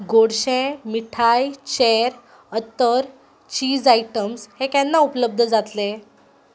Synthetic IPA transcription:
ɡoɽɕẽmiʈʰajt͡ɕeɾ | ət̪əɾ | t͡ɕiːd͡zajʈəmshekɛnːaupələb̚d̪ʱəd͡zat̪le

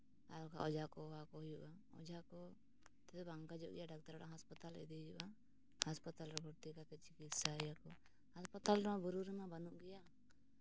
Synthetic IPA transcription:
aɾka̰ʔɔd͡ʒakɔwakɔjuʔa | ɔ̰d͡ʒakɔ | t̪ɛd̪ɛbaŋkad͡ʒɔ̰ʔɡɛjaɖak̚t̪aɾɔɽã̰ɦaspat̪alɛ̰d̪ijuʔa | haspat̪alɾɛbʱuɾt̪ikat̪ɛt͡ʃikit̪saɛjakɔ | haspat̪alɾɛmabɔɾuɾɛnabanuʔɡɛja

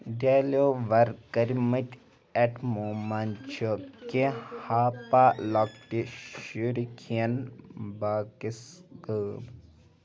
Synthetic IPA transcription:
ɖeloːʋɐɾkəɾmɐt̪ʲ | ɛʈmoːmant͡ʃʰokehaːpaːlɔkʈiʃuɾikʰijɐnbaːkisɡəːm

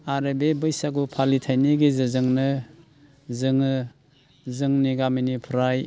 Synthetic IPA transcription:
aɾebebɯjsaɡupʰalitʰajniɡizɯzɯŋnɯ | zɯŋɯ | zɯŋniɡaminipʰɾaj

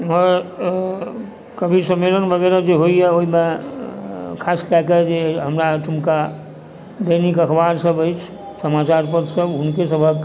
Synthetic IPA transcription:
ɔɾ | kəbʱisəmelənbəɣɛɾad͡ʒeɦojjɛoɦime | kʰaskɛked͡ʒeɦəmɾaʈʰumka | d̪ənikəkʰbaɾsəbəjt͡ʃʰ | səmat͡ʃaɾpəd̪səbɦʊnkesəbʱək

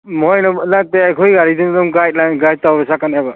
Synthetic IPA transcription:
mɔjnɔnateajkʰɔjɡaɾidindɔmɡajt̚lajnɡaj̚tawɾesakanaba

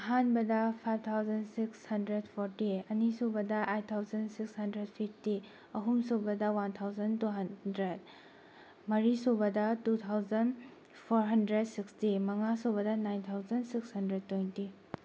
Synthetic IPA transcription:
ɐɦanbɐdɐpʰajb̚ʰt̪ʰawzɐnsikshɐndɾedpʰoɾtiɐnisobɐdɐʔejt̚t̪ʰːawzɐnsikshɐndɾed̚pʰipʰti | ɐɦumsobɐdɐwant̪ʰawzɐntuɦɐdɾed̚ | mɐɾisobɐdɐtut̪ʰawzɐn | pʰoɾɦɐndɾed̚sikstimɐŋasobɐdɐnajnt̪ʰawzɐnsikshɐndɾed̚tːejnti

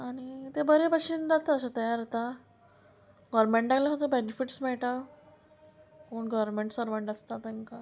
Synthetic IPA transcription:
aɽ̃it̪ebəɾepəɕiːnd͡zat̪aəsət̪əjaɾat̪a | ɡɔɾmeɳʈd̪aɡlaɦot̪əbenifiʈsmɛɭʈa | koːɳɡɔʋɾmeɳʈsəɾʋəɳʈəst̪at̪aŋka

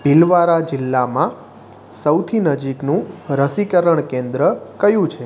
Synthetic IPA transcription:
bilʋaɾad͡ʒɪlːamã | səwt̪ʰinəd͡ʒiknũɾəsikəɾəɳkẽnd̪ɾəkəjũt͡ʃʰe

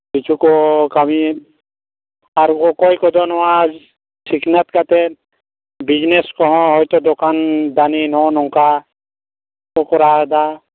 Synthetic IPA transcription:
bit͡ʃʰukɔkami | aɾkɔkɔjkɔd̪ɔnɔwa | siknat̪kat̪ɛ | bid͡ʒneskɔɦɔ̃ɦɔjt̪ɔd̪ɔkand̪aninɔnɔŋka | kɔkɔɾad̪a

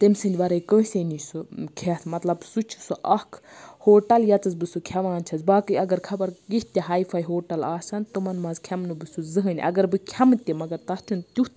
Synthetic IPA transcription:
t̪emsɨnʲd̪ʲʋɐɾɐjkəːsʲenisukʰesmɐt̪lɐbsut͡ʃʰu̥suʔɐkʰ | hoːʈɐljɐt͡sɐzbɨsukʲʰɐʋaːnt͡ʃʰɐzbaːkɨɐɡɐɾkʰɐbɐɾɡiht̪ʲɐɦaːifʰɐjɦoːʈɐlaːsɐnt̪umɐnmɐːzkʲʰɐmnubɨsuzɨɦɨnʲʔɐ̰ɡɐɾbɨkʲʰɐmɨt̪ʲimɐɡɐɾt̪ɐst͡ʃʰunt̪ʲut̪

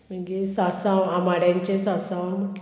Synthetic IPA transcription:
məɡisasãwamaɽjãɲt͡ɕesasãwm

